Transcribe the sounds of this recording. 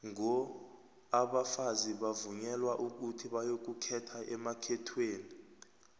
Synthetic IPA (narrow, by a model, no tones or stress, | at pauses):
ŋɔ | aɓafaziɓavuɲɛlwaʔuk̬utʰiɓajok̬ukʰɛtʰaʔɛmakʰɛtʰweːni